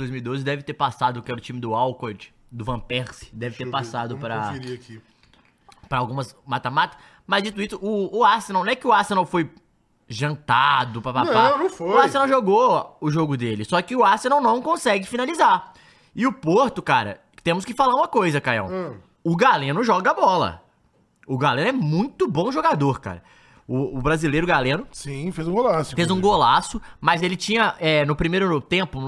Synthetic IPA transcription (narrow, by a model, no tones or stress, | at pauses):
dojzmiwid̪ozɪd̪ɛvɪt̪eɾpasad̪ʊkɪɛɾʊt͡ʃĩmɪd̪ʊawkod͡ʒɪ | d̪ʊvɐ̃pɛɾsɪ̥d̪ɛvɪt̪epasad̪ʊpɾɐɾiɐki | pɾɐawɡũmɐsmat̪ɐmat̪ɐ̥ | mɐzd͡ʒit̪̬ʊisʊʔʊːasenawñɛkɪʊasenawfoj | ʒɐ̃nt̪ad̪ʊpɾɐpapanɐ̃w̃foʊasenawʒoɡoʊʒoɡʊd̪elɪsɔkɪʊasenaw̃nɐ̃w̃kõsɛɡɪfinalizaɾ | ɪʊpoɾt̪ʊkaɾɐ̰ | t̪ẽmʊskɪfalaɾũmɐkojzɐkajɐ̰̃w̃ | ʊɡalẽnʊʒɔɡɐabɔlɐ̰ | ʊɡalẽnʊɛmũj̃t̪ʊbõw̃ʒoɡad̪oɾka̰ɾɐ̰ | ʊːbɾazilejɾʊɡalẽnʊsĩfezũɡolasʊfezũɡolasʊmɐzelɪt͡ʃĩɲɐɛnʊpɾimejɾʊt̪ẽpʊ